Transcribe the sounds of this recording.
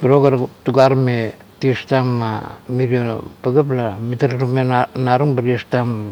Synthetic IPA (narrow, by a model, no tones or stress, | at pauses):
biɾokaɾtuɡaɾme | tiestamːamiɾiopaɡaplamitaɾaumenaɾuŋbaɾiestam